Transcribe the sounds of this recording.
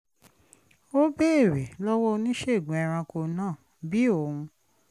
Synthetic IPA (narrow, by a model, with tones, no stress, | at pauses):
o˦be˦e˦˨ɾe˨lɔ˦wɔ˦˧nĩ˦ʃe˦˨ɡũ˨ɛ˧ɾ̃ã˧ko˧nãː˦˨ | bi˦o˦˨ũ˧